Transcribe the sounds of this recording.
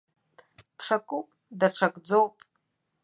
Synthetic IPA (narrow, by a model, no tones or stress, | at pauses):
ʈ͡ʂʰakʼupʼ | daʈ͡ʂʰɐkʼd͡zowpʼ